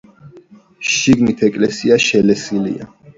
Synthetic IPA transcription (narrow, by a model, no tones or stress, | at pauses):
ʃiɡnit̪ʰɛkʼlɛsiaʃɛlɛsilḭa̰